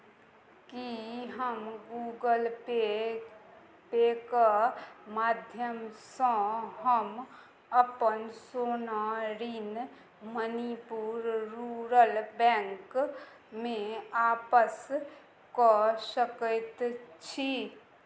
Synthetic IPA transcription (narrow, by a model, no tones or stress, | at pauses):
kiɦəmɡuɡəl | pekəmad̪ʱjəmsə̃ɦəm | əpənsonaɾin | mənipuɾɾuɾəlbɛ̃ŋk | meapəs | kɔsəkəjt̪t͡ʃʰi